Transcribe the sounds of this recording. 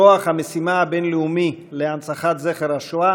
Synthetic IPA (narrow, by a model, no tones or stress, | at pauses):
oaχhamesimaabenleumileansaχat̪zeχeɾaʃoa